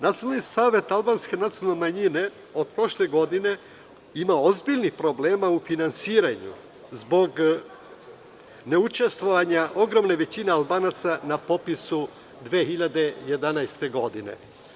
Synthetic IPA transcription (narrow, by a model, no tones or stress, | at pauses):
nat̪ionalnisaːʋe̞t̪alˠbaːnske̞nat̪silnemaɲine̞ | o̞d̪̚pɾo̞ʃle̞ɡo̞d̪ine̞ | imaozbiʎnixpɾo̞bleːmaufinansiːɾaɲṵ | zbo̞ɡ | ne̞ut͡ʃe̞st̪ʋo̞ʋaɲaʔo̞ɡɾo̞mne̞ʋe̞t͡ɕine̞alˠbaːnat̪sanapo̞pisu | d̪ʋeːxiʎad̪e̞je̞d̪anajst̪e̞ɡo̞d̪inḛ